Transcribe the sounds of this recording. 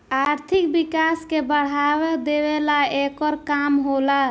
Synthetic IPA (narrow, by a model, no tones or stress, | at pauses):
aɾt̪ʰikbikaskebəɽ̤awed̪eβelaekɔɾkamɦola